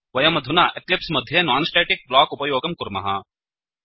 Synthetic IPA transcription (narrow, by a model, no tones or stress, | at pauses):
ʋɐjɐmɐd̪ʱʊnaːʔeklɪpsmɐd̪ʱjɐnaːnsʈeːʈɪk̚blaːkʊpɐjoːɡɐmkʊɾmɐ̰ɦa